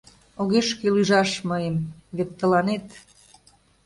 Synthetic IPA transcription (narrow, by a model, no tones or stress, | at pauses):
oɣeʃkelyʒɑʃməjəmβek̚t̪əlɑnet̪